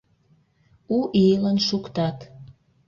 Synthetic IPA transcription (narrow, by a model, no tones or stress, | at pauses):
uʔilənʃukt̪ɑt̪